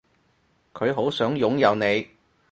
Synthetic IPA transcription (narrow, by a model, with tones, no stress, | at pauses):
kʰɵ˨˧ɥɦo˨˥wsœː˨˥ŋjʊ˨˥ŋjɐ˨˧wne˨˧j